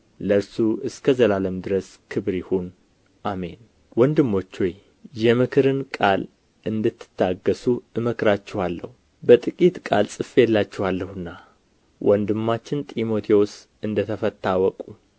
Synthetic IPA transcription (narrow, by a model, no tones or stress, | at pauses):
ləɾsuɨskʰəzəlaləmd̪ɨɾəskʰɨβɾihun | ʔame̞̰n | wɔnd̪ɨmːo̞t͡ʃːoj | jɛmɨkʰɨɾɨnkʼal | ʔɨnd̪ɨt̪ːɨ̥t̪ʰːaɡːəsuɨməkɾat͡ʃːɛwalːə̰hu | bət̪ʼɨkʼit̪kʼa̰lsʼɨfːelːat͡ʃːɛwalːəhɨnːa | wʔɔnd̪ɨmːat͡ʃːɪnt̪ʼimo̞t̪ʰeos | ɨnd̪ət̪ʰəfət̪ːawɔkʼu